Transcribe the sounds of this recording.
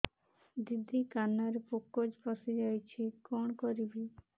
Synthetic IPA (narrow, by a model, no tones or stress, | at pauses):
d̪id̪ʱikanaɾepokːod͡ʒpɔsid͡ʒajt͡ʃʰikɔɳkɔɾibi